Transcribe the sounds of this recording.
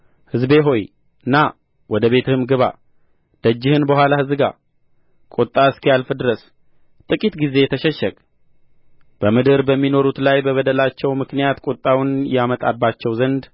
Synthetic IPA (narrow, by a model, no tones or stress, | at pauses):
hɨzbe̞ɦo̞j | ɨnːa | wɔd̪əβe̞t̪ʰɨhɨmɡɨβa̰ | d̪̥əd͡ʒːɪhɨnbəhʷwalahɨzɨɡa̰ | kʼot̪ʼːaɨskijalfɨd̪ɨɾəs | t̪ʼɨkʼit̪ɡize̞t̪ʰəʃɛʃəkʼ | b̥əmɨd̪ɨɾbəmːino̞ɾut̪lajbəβəd̪əlat͡ʃːɛwmɨknijat̪kʼot̪ʼːawnjamət̪ʼabːat͡ʃːɛwzənd̪